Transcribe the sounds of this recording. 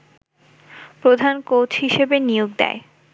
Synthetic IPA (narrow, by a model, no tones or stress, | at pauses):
pɾod̪ʱankothiʃebenioɡ̚d̪ɛ̰e